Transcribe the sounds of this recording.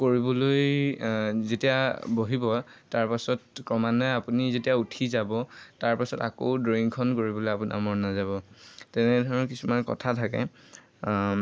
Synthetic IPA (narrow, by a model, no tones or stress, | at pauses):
koɹibɔloj | zetijaboɦibɔtaɹpasɔtkɹɔmanɛapunizetijautʰizabɔtaɹpasɔtako̰ʊdɹoiŋkʰɔnkoɹibɔlojapuna̰mɔɹnazaβɔtɛnɛdʱɔɹɔnkisumankɔ̰tʰatʰakɛ̰